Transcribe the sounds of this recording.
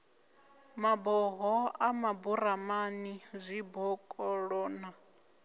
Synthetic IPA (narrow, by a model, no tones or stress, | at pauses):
mabɔɦɔamabuɾamanizʷibɔkʼɔɺɔːna